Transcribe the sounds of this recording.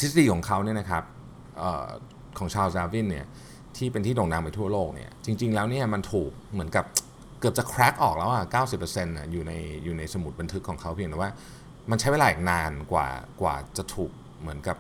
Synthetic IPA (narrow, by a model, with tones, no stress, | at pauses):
t̪ʰi˦˥sa˧diː˧kʰɔː˩˦ŋkʰa˦˥wni˥˩ɐna˦˥kʰa˦˥p̚ | ʔə̰ː˨˩ | kʰɔː˩˦ŋt͡ɕʰaː˧wsaː˧˥wi˥˩nːi˥˩ɐ | t̪ʰiː˥˩pe˧nt̪ʰiː˥˩lo˨˩ŋnaː˧mpa˧jt̪ʰu˥˩ɐloː˥˩k̚nḭ˥˩ɐt͡ɕi˧ŋt͡ɕi˧ŋlɛː˦˥wni˥˩ɐma˧nt̪ʰuː˨˩k̚mɯ˩˦ənka˨˩p̚ | kɯ˨˩p̚t͡ɕa˨˩kʰɾɛ˦˥k̚ʔɔː˨˩k̚lɛː˦˥wʔa˨˩kaː˥˩wsi˨˩pːə˧se˧nʔa˨˩juː˨˩na˧jjuː˨˩na˧jsa˧mu˨˩t̪̚ba˧nt̪ʰɯ˦˥kʰːɔː˩˦kʰa˦˥wpʰi˧ŋt̪ɛ˨˩waː˥˩ | ma˧nt͡ɕʰa˦˥jwe˧laː˧ʔi˨˩naː˧nkwa̰ː˨˩kwa̰ː˨˩t͡ɕa˨˩t̪ʰuː˨˩k̚ | mɯ˩˦ənka˨˩p̚